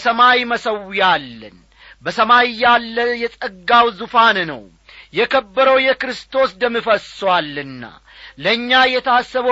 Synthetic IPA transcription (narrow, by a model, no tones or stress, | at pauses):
səmajməsəwjalːə̰n | bəsəmajjalːəjɛsʼəɡːawzufannə̰w | jɛkʰəbːəɾəwjɛkɾɨst̪ʰo̞sd̪əmːifəswalːɨnːa̰ | ləɨɲːajɛt̪ʰasːəβə